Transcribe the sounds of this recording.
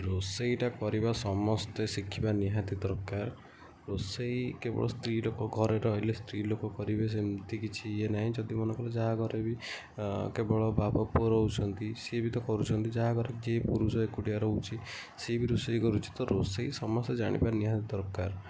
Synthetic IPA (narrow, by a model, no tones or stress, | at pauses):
ɾosejʈakɔɾibasɔmɔst̪esikʰːibaniɦat̪id̪ɔɾɔkːaɾ | ɾosejkebɔ̰ɭɔst̪ɾilokɔɡʱɔɾeɾɔːɦilest̪ɾilokɔkɔɾibes̬emt̪ikit͡ʃʰienaɦĩd͡ʒɔd̪imɔnɔŋkɔled͡ʒaɦaɡʱɔɾebi | kebɔɭɔbabɔpɾɔɦut͡ʃʰɔnt̪isebit̪ɔkɔɾut͡ʃʰɔnt̪id͡ʒaɦaɡʱɔɾekid͡ʒepuɾusɔekuʈiaɾɔut͡ʃʰi | sebiɾosejkɔɾut͡ʃʰi̥t̪ɔɾosejsɔmɔst̪ed͡ʒaɽ̃ḭbaniɦat̪id̪ɔɾɔkːaɾ